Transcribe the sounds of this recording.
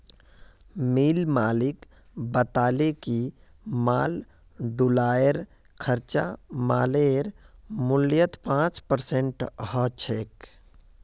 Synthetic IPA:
miːlmaːlɪk | bət̪aːleki | maːl | ɖulaːjəɾ | kʰəɾt͡ʃa̰maːleɾmʊljət̪pãːt͡ʃpəɾsẽɳʈɦət͡ʃʰeːk

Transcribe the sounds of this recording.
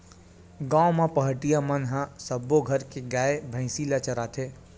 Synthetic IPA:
ɡãːõmãpɐɦʈijamənɦãsəboɡʱɐɾkeɡaːebʱə̃ɪ̃siːlat͡ʃɐɾaːt̪ʰeː

